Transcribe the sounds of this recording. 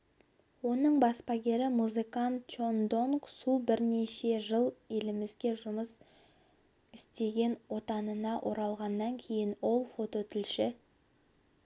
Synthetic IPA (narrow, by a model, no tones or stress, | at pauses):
wo̞nəɴbɑspɑɡʲe̞ɾɪmuzɨkɑnt̪ʒond̪o̞ŋksubɪɾne̞ʃe̞ʒəlˠe̞lɪmɪzɡʲe̞ʒʊməs | ɪst̪e̞ɡʲe̞nwo̞t̪ɑnənɑʔo̞ɾɑlˠʁɑnːɑŋkʲʰe̞jɪnwo̞lˠfo̞t̪o̞t̪ʰʏlʃɪ